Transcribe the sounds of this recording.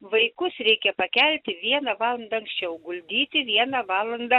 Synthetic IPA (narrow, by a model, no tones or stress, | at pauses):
ʋɐɪkʊsɾʲɛɪkʲɛpɐkʲɛlʲt̪ʲɪʋʲiɛnɐʋɑːlˠɐnd̪ɐɐŋksʲt͡ʃʲɛʊɡʊlʲd̪ʲiːt̪ʲɪʋʲiɛnɑʋɑːlˠɐnd̪ɐ